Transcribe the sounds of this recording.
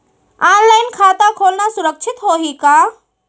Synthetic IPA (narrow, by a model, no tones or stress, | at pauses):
aːnlaːɪnkʰaːt̪akʰoːlnasʊɾəkʃʰɪt̪ɦoːɦikaː